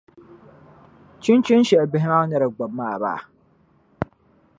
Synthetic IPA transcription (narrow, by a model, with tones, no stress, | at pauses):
t͡ʃɪ˦nt͡ʃɪ˦nʃɛ˨bɪ˦ɦɪ˦na˦ɲɛ˦ɾa˨ɡ͡ba˨mːa˦˨ba̰˦ʔ